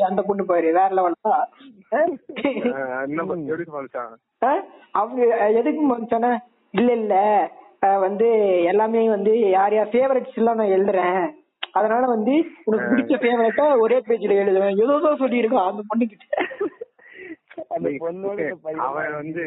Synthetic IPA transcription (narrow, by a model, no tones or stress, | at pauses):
ɐnd̪ɐpɔɳːɯp̬oːjɪɾɯʋeːɾɐlɐʋɐɭɐt̪ãː | nɐ | aːɐpɐɛðɯkːɯmpɐnd̪ɯt͡ʃːaːnːaː | ɪlːɐɪlːɐ | ʋɐnd̪ɯɛlːaːmeːʋɐnd̪ɯjaːɾɐjaːfeːʋɐɾɐʈːsɪlːãːnãːɛɻɯd̪ɯɾẽː | ɐðɐnaːlɐʋɐnd̪ɯʊnɐkːɯpɪɽɪt͡ʃːɐfeːʋɐɾɐʈːaɔɾeːpeːd͡ʒɪlɐɛɻɯðɯ̃ɛðoːðõːsɔlːiɪɾɯk̬ːãːɐnd̪ɐpɔɳːɯkːɪʈːɛ | ɐd̪pnɐ̰ʋɐnd̪ɯ